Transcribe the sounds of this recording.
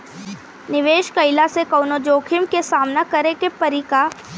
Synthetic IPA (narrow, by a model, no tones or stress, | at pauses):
nɪʋeːʃkɐɪlasekɐʊnod͡ʒoːkʰɪmkesaːmnakɐɾekepɐɾika